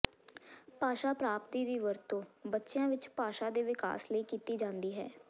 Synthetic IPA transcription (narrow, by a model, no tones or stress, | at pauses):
paːʃaːpɾaːpt̪iːd̪iːʋəɾt̪õːbətːʃjãːʋɪt͡ʃpaːʃaːd̪eːʋɪka̰ːsləiːkiːt̪iːd͡ʒãːnd̪iːɦɛ̰ː